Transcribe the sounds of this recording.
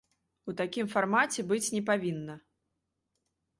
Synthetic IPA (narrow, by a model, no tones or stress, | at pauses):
ut̪akʲimfarmat͡sʲɛbɨt͡sʲnʲɛpavʲinːɐ